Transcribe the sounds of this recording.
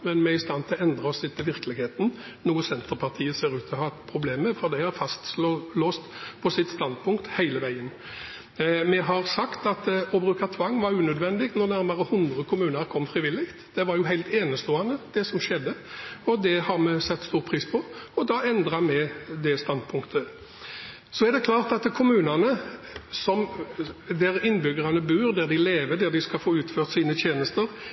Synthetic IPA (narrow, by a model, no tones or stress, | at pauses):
mɛnmɛɪst̪ɑnt̪ʰɪlɔɛnd̪ɾəɔsɪt̪ːəʋɪɾklɪɡheːt̪n̩ | nuːəsɛnt̪əɾpʰɑʁt̪ʰiːəseːɾʉːt̪ʰɔɦɑːt̪pʰɾʊbleːməfɾɔd̪æɪɑfɑst̪slloːst̪pʰɔsɪt̪st̪ɑnd̪̚pʰʊŋkt̪hæɪləʋæɪən | mɛɦɑɾsɑkt̪ɑt̪ɔbɾʉːkɑt̪ʰʋɑŋːʋɑɾʉːnœd̪ʋɛnd̪ɪɡnɔɾnæɾmɑɾəhʊnd̪ʁəkʰʊmʉːnəɾkʰɔmːfɾɪʋɪlːɪkt̪d̪̥ɛʋɑɾjʊɦæɪlt̪eːnəst̪oːɑnəd̪̥ɛsɔmʂɛd̪ːəɔd̪ɛhɑɾmɛsɛt̪ːst̪uːɾpʰɾiːspʰɔɔd̪ɑːɛnd̪ɾɑmɛd̪ɛst̪ɑnd̪pʰʊŋkt̪ʰə | sɔɛɾd̪ɛkʰlɑːʁt̪ɑt̪kʰʊmʉːnənə | sɔm | d̪æɾɪnːbʏɡəʁɑnəbʉːɾd̪æɾd̪ɪleːʋəd̪æd̪ɪskɑfoːʉːt̪føːʁt̪siːnət̪ʰjeːnəst̪əɾ